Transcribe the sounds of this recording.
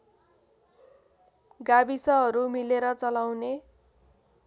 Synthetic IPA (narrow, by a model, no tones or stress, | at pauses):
ɡabisʌɦʌɾumileɾʌt͡sʌlawne